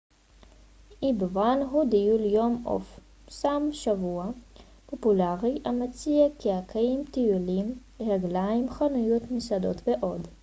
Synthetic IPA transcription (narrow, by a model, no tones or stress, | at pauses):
ʔibvanɦud̪ijuljomo̰f | samʃavua | populaʁiamat͡siakiakʰajimt̪ijulimʁaɡlaimχanujot̪misad̪ot̪veʔod̪